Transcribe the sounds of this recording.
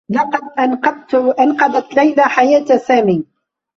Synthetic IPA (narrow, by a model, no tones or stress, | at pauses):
lɑqɑd̪̚ʔanɑd̪t̪ʔanqɑd̪at̪lajlaħajaːt̪saːmiː